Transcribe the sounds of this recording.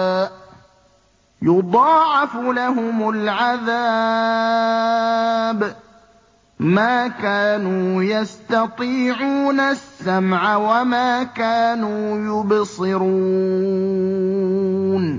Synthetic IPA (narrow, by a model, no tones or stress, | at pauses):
jʊd̪ˤɑːʕɪflaɦʊmʊlʕaða | b | maːkaːnuːjast̪ɑt̪ˤiːʕuːnasːamʕawamaːkaːnuːjʊbsɨɾu | n